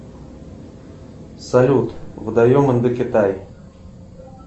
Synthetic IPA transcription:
sɐlʲut̪vɨd̪ɐjomɨnd̪ɨkʲɪt̪aj

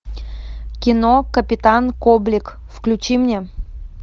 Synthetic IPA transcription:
kʲɪnokəpʲɪt̪ankoblʲɪk | fklʲʉt͡ɕimnʲe

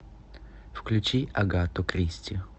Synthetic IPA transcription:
fklʲʉt͡ɕiɐɡat̪ʊkɾʲisʲtʲɪ

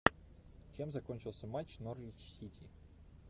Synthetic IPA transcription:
t͡ɕe̞mzɐkonʲt͡ɕɪlˠsʲəmat͡ɕnorvʲɪt͡ɕsʲitʲi

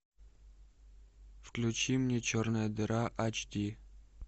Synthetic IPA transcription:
fklʲut͡ɕimnʲet͡ɕornəjəd̪ɨɾaʔat͡ɕd̪ʲi

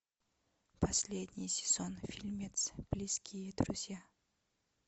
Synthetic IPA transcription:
pʰɐsʲlʲed̪ʲnʲɪjsʲɪ̥z̥onfʲilʲmʲet̪sb̥lʲiskʲijəd̪ɾʊ̰zʲja

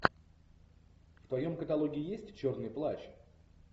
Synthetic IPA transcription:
ft̪vɐjo̞mkət̪ɐlˠo̞ɡʲɪɪjesʲtʲt͡ɕo̞rnɨjplˠat͡ɕ

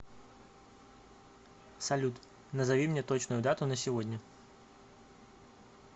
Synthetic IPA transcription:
sɐlʲut̪ | nəzɐvʲimnʲeɛt̪ot͡ɕnʊjʊd̪at̪ʊnəsʲɪvodʲnʲə

